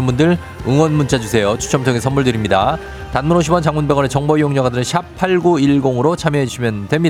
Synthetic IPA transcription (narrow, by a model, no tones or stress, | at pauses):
ɯmbundɯɾ | ɯŋwʌnmunt͡ɕ͈ad͡ʑusʰe̞jot͡ɕʰu̥t͡ɕʰʌmtʰoŋesʰʌnmuɭdɯɾimɲida | tanmunoɕʰibʌnt͡ɕaŋmunbeɡwʌne̞t͡ɕʌŋbʌijoŋɲʌɡadɯɾɯnɕʰapʰaɭɡoiɭɡoŋɯɾot͡ɕʰamjeɦed͡ʑuɕʰimjʌndwe̞mɲi